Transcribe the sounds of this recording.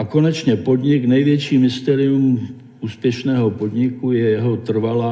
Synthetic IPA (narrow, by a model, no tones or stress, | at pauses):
ako̞nɛt͡ʃɲɛpo̞d̪ɲɪknɛjvjɛt͡ʃiːmɪst̪ɛːɾɪum | ʔuːspjɛʃnɛːɦo̞po̞d̪ɲɪkujɛjɛɦo̞t̪r̩vala